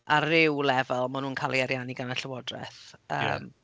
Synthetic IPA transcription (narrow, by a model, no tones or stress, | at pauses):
ʔarɪwlɛvɛlˠmanuːnkʰaːlˠiaɾjaniɡanaɬəwɔdrɛ̰θə̰ːm